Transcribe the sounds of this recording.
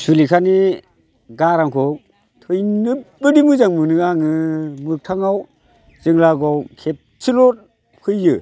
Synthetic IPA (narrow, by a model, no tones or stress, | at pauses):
sulikʰani | ɡaɾaŋkʰɔ | tʰɯjnɯbɯdimɯzaŋmɯnɯaŋɯmɯk̚tʰaŋaw | z̥ɯŋlaɡɔwkʰep̚t͡ʃʰilɔt̚ | kʰɯjːɯ